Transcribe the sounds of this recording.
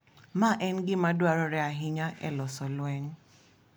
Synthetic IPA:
maʔɛnɡɪmadwaɾɔɾɛaɦɪɲaʔɛ̰lɔsɔlwɛɲ

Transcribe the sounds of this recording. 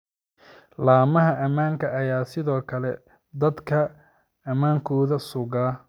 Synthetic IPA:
laːmɐɦɐʔɐmaːŋkʰɐʔɐjaːsɪðɔːkʰɐlɛ | d̪ɐd̪kʰɐ | ɐmaːŋkʰɔːðɐsʊɣaː

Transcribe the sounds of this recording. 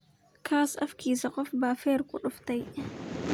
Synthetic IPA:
kʰaːsɐfkiːsɐqʼɔfbaːfɛːɾkʊɗʊft̪ɐj

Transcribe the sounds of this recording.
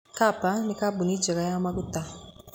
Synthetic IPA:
kapanikabunid͡ʒɛɡajamaɡuta

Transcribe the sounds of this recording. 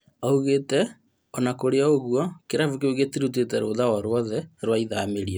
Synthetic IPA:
auɣetɛ | ɔnakoɾeaoɣwɔkeɾavukeuɣetiɾut̬etɛɾoːðawɔɾwɔðɛɾwaiðameɾiɔ

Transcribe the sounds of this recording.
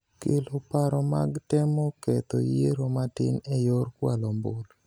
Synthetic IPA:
kelopaɾɔmaɡtɛmɔkɛt̪o̰jeɾomatɪ̰nɛjorkwalɔmbol

